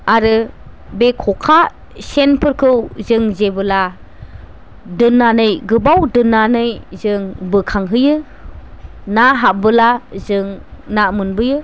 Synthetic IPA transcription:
aɾɯ | bekʰɔkʰa | senpʰɯɾkʰɯwzɯŋzebɯla | dɯnːanɯjɡɯbawdɯnːanɯjzɯŋbɯkʰaŋɦɯjɯ | naɦabɯlazɯŋnamɯnbɯjɯ

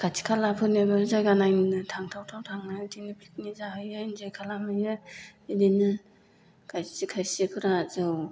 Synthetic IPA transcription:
katʰi̥kʰalapʰɯnebɯzajɡanajnnɯtʰaŋtʰawtʰawtʰaŋnɯtʰinipʰli̥k̚nizaɦɯjɯnzejkʰalamɯjɯidinɯ | kajtikʰajsikʰɯɾazɯw

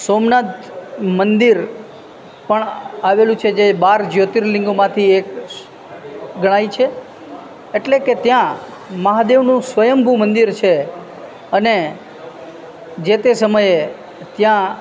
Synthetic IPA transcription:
somnat̪mənd̪iɾ | pəɳaʋelũt͡ʃʰed͡ʒebaɾd͡ʒjot̪iɾlɪ̃ŋɡomãt̪ʰiek | ɡəɽ̃aijt͡ʃʰe | eʈleket̪jã | məɦad̪eʋnũsʋəjəmbʱumənd̪iɾt͡ʃʰe | əne | d͡ʒet̪esəməje | t̪jã

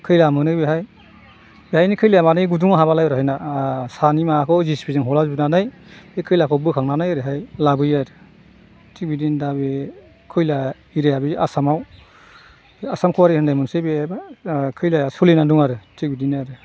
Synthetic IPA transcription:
kʰɯjlamɯnɯbiɦaj | bihajnikʰɯjlejamanɯjɡuduŋaɦaβalajɔɾɦajnasanimakʰɔzispizɯŋɦɔlazbinanajekʰɯjlakʰɔbɯkʰaŋnanajɾɯɦajlabɯjaɾɯ | tʰik̚bidindabe | kʰɯjla | iɾijabiasamaw | asamkʰuwaɾɯhɯndajmunsebibakʰɯjlaasulinaduŋaɾɯtʰik̚bidinaɾɯ

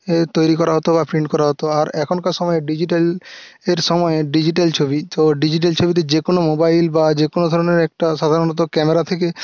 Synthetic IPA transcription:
t̪ojɾikɔɾaɦot̪obapʰɾiɳɖkɔɾaɦot̪oaɾɛkʰonkaʃɔmɔeɖid͡ʑiʈal | eɾʃɔmɔeɖid͡ʑiʈ̬alt͡ɕʰobit̪oɖid͡ʑiʈ̬elt͡ɕʰobit̪̬ed͡ʑekonomobajlbad͡ʑekonod̪ʱɔɾoneɾɛk̚ʈaʃad̪ʱaɾonɔt̪okɛmeɾat̪ʰeke

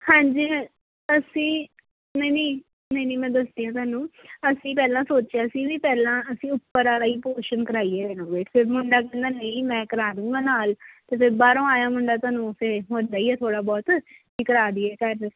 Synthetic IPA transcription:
hãːɲd͡ʒiː | əsĩː | nəineː | nəiniːmɛ̃ːd̪əsd̪iːãːt̪̬aːnũːəsĩːpɛːlãːsoːt͡ʃjaːsiːʋiːpɛːlãːəsĩːʊpːəɾaːɾaːiːpoːʃənkəɾaːiːɛːdɛnõːʋeːʈʰfʰɪɾmʊɳɖaːkɛːnd̪aːnəĩːmɛ̃ːkəɾaːɾũːɡãːnaːlt̪eːfɪɾbaːɾõːaːjãːmʊɳɖaːt̪aːnũːpʰɪɾɦõːnd̪aːiːɛːt̪ʰoːɽaːbɔːt̪ | ɪkəɾaːd̪iːɛːkəɾ

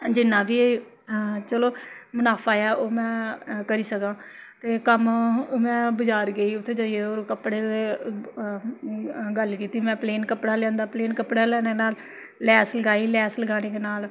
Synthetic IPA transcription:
d͡ʒɪnːãːbiːe | t͡ʃəloːmənaːpʰaːjɛːʔoːmɛ̃ːkəɾiːsəkãːt̪eːkəmmɛ̃ːbəd͡ʒaːɾɡeːiːʊt̪ʰːeːd͡ʒaːieːoːɾkəpːɽeːe | ɡəlkiːt̪iːmɛ̃ːpleːnkəpɽaːlɛ̃ːnd̪aːpleːnkəpɽaːlɛːneːnaːlː | ɛːsləɡaːiːlɛːsləɡaːneːkeːnaːl

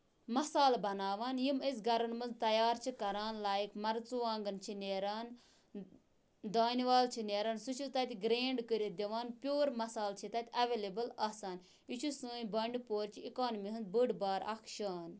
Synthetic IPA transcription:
mɐsaːlbɐnaːʋaːnjimizɡɐɾɐnmɨnzt̪ɐjaːɾt͡ʃʰikɐɾaːnlaːjikmɐɾt͡suʋaːŋɡɨnt͡ʃʰineːɾaːn | d̪aːniʋaːlt͡ʃʰineːɾaːnsut͡ʃʰut̪ɐt̪ʲɡɾeːɳɖkəɾʲid̪ʲiʋaːnpʲjoːɾmɐsaːlt͡ʃʰit̪ɐt̪ʲʰɐʋeːlebɨlɐːsaːn | it͡ʃʰusɨːnʲbɐɳɖpoːɾt͡ʃʰiikaːnmiɦɨnd̪bɨɖbaːɾʔɐ̰kʰʃaːn

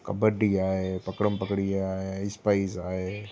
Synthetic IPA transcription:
kɐbəɖiaːɦepɐkɾəmpəkɽiaːɦeɪspaizaːɦe

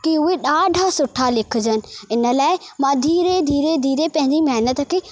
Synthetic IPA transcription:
kiʊɦeɗaːɖʱasʊʈʰalɪkʰʊ̆d͡ʑənɪ̆ɪnə̆laːɪmãːd̪ʱiːɾed̪ʱiːɾed̪ʱiːɾepɐ̃ɦɪ̃ɲd͡ʑimɐɦnət̪ə̆kʰeː

